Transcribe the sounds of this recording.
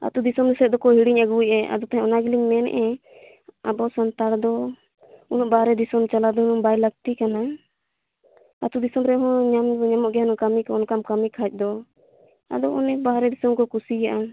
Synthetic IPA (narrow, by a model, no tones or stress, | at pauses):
a̰t̪ud̪isɔmd̪ɛsɛt̪̚d̪ɔkɔɦiɽiɲəɡujɛʔa̰d̪ɔt̪aɦɛ̃ɔnaɡiliɲmɛnɛ̰ʔɛ | abɔsant̪aɾd̪ɔ | unɔʔbaɾɛd̪isɔmt͡ʃalad̪ɔunɔbajləɡ̚t̪ikana | at̪ud̪isɔmɾɛɦɔ̃ɲamɲamɔʔɡɛɦanɔkamikɔɔnkamkamikʰac̚ˀd̪ɔ | a̰d̪ɔɔnɛbaɾɛd̪isɔmkɔkusijaʔa